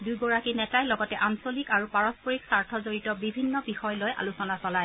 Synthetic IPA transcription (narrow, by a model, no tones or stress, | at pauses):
dujɡɔɹakinɛtajlɔɡɔtɛʔansolikaɹupaɹɔspɔɹiksaɹtʰɔzoɹitɔbibʱinːɔbixɔjlojʔa̰lusɔnasɔlaj